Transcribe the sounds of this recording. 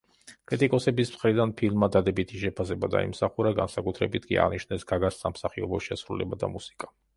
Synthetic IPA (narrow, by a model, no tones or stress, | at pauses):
kʼɾit̪ʼikʼɔsɛbismχɾid̪anpʰilˠmad̪ad̪ɛbit̪ʰiʃɛpʰasɛbad̪a̰ḭmsaχuɾaɡansakʼut̪ʰɾɛbit̪ʰkʼḭa̰ʁniʃnɛsɡ̥aɡassamsaχiɔbɔʃɛsɾulɛbad̪a̰musi̥kʼa